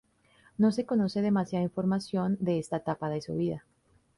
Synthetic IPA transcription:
no̞se̞ko̞no̞se̞ðe̞masjaðaiɱfo̞ɾmasjo̞nd̪e̞est̪at̪apaðeso̰βiða

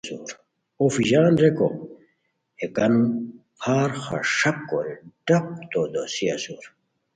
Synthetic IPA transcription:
sṵːɾ | ofiʑaːnɾeko̰ | ekɐnu | hʰaːɾxa̰ʂɐkːoɾeɖɐk̚t̪oːd̪osiɐsuːɾ

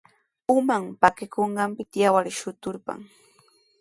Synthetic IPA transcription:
ʊmampakɪkoɴɢɑmpɪt̪jawaɾʃʊt̪ʊɾpa̰ŋ

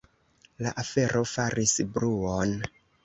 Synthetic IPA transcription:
laʔafe̞ɾʔo̞faɾisbɾuon

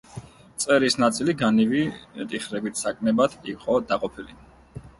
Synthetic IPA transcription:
t̪sʼɛɾisnat̪sʼiliɡanivit̪ʼiχɾɛbit̪ʰsakʼmɛbad̪ʰiqʼɔd̪aqʼɔpʰili

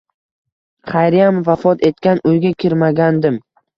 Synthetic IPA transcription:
χʰajɾɪjamvafɒt̪ʰe̞t̪̚kʲanʊjɡʲakʲʰɪɾmaɡʲand̪ɪm

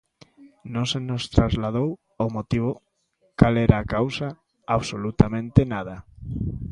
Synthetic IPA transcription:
nõŋsenost̪ɾazlað̞ow | omot̪iβ̞o | kalɛɾaːkawsa | aβsolut̪amẽnt̪enað̞ɐ

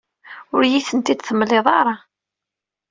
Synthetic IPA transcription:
ʊɾjiθənt̪id̪θəmːleðˤɑɾˤɑ

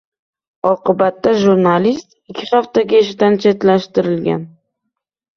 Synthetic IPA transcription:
ɒqʰɨbat̪ːaʒuɾnalist̪ɪkʲʰːɪχaft̪aɡʲaeʃɪd̪ant͡ʃʰe̞t̪laʃt̪ɪɾɪlɡʲa̰n

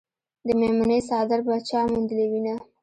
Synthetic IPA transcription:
d̪əmemanəs̬ɑd̪ɪɾbat͡ʃɑmund̪əlewina

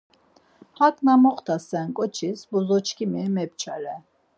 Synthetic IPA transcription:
hakʼnamɔχt̪ʰasɛnkʼɔt͡ʃʰisbuzɔt͡ʃʰkʰimimɛp̚t͡ʃʰaɾɛ

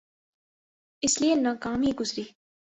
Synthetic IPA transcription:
ɪslienɐkaːmiːɡʊzɾiː

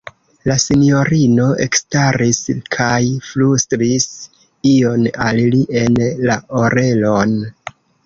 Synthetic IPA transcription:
lasinjo̞ɾino̞ʔe̞̰kstaɾiskʰajflustɾis | io̞nalliʔe̞nlaʔoɾe̞lo̞n

